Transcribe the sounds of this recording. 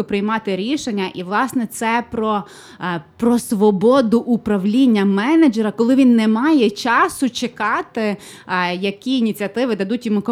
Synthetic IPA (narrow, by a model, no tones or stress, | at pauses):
ʊpɾɪjmɑt̪ɪɾʲiʃenʲːɐʔiʋlˠɑsnɛt̪sɛpɾɔ | pɾɔsʋɔbɔd̪ʊʔʊpɾɐʋlʲinʲːɐmɛnɐd͡ʒɛɾɐkɔlˠɪʋʲinːɛmɑjɛt͡ʃɑsʊt͡ʃekɑt̪ɪ | jɐkʲiːnʲit͡sʲɐt̪ɪʋɪd̪ɐd̪utʲjʊmukɔ